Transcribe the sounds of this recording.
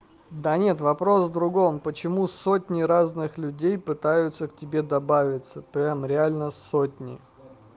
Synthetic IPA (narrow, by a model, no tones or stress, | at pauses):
d̪anʲe̞t̪vɐpɾo̞svd̪ɾʊɡo̞mpət͡ɕɪmusotʲnʲɪɾaznɨxlʲʉdʲejpɨt̪ajʊt̪səktʲɪbʲe̞d̪ɐbavʲɪt̪səpɾʲamɾʲɪalʲnəsotʲnʲɪ̰